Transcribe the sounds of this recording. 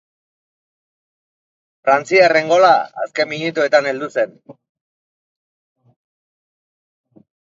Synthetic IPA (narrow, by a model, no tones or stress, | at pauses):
fɾant͡siare̞ŋɡo̞la̰ːske̞mːinut̪ue̞t̪ane̞ld̪use̞n